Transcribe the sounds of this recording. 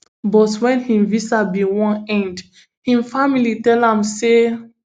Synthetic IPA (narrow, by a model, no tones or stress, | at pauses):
bɔtwɛ̃nhĩmvisabiwɔ̃nɛ̃nd | hĩmfamilitɛlãmse